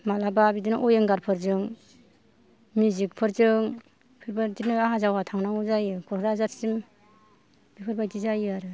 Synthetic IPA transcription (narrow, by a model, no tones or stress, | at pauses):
malababidinɯʔɔjɯŋɡaɾpʰɯɾzɯŋ | mizik̚pʰɯɾzɯŋ | pʰɯɾbadinɯaɦazawatʰaŋnaŋuzajɯkʰɔɾɾazatsim | bipʰɯɾbajdizajɯaɾɯ